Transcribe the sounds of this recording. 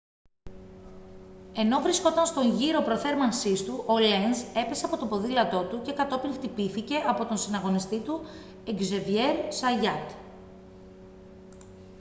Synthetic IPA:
e̞no̞vɾisko̞t̪ɐnst̪o̞ɲʝiɾo̞pɾo̞θe̞ɾmɐnsist̪uʔo̞lense̞pe̞se̞ɐpo̞t̪opo̞ðilɐt̪o̞t̪uce̞kɐt̪o̞piŋxt̪ipiθice̞ʔɐpo̞t̪o̞nsinɐɣo̞nist̪it̪u | eɡze̞vie̞ɾsɐʝɐt̪

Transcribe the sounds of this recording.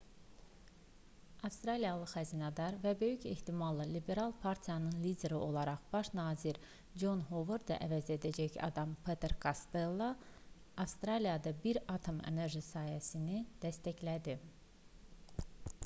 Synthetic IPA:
ɑfst̪ɾɑlijɑlˠɯxæzinɑd̪ɑɾvæbø̞jyce̞ht̪imɑlˠːɑlibe̞ɾɑlˠpʰɑɾt̪ʰijɑnɯnlid̪e̞ɾiʔo̞lˠɑɾɑχb̥ɑʃnɑːziɾ | d͡ʒo̞nɦoveɾd̪ɑ̰ʔævæze̞d̪æd͡ʒæçɑ̰d̪ɑmpʰet̪ʰeɾkʰɑst̪elˠːo | ɑfst̪ɾɑlijɑd̪ɑbiɾɑt̪ʰo̞mḛne̞ɾʒisɑːhæsinid̪̥æst̪æçlæd̪i

